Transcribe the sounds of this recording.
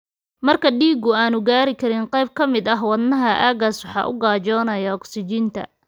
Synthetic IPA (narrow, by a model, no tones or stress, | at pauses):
mɐrkʰɐɖiːɡʊaːnʊɡaːɾɪkʰɐɾɪnqɑjb̚kʰɐmɪd̪ɐɦwɑd̪nɐɦɐʔaːɣɐswħɑ̰ːʔʊ̰ɡaːd͡ʒɔːnɐjɐɔksɪt͡ʃint̪ʰɐ̰